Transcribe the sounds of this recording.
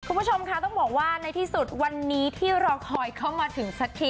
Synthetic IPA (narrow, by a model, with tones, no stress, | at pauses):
kʰu˧nmbu˦˥˩t͡ɕʰo˧mkʰa˦˥t̪ɔ˥˩ŋbɔː˨˩k̚waː˥˩na˧jt̪ʰiː˥˩su˨˩t̪̚wa˧nːiː˦˥t̪ʰiː˥˩ɾɔː˧kʰɔː˧jkʰa˥˩wmaː˧t̪ʰɯ˩˦ŋsa˦˥k̪ʰːi˨˩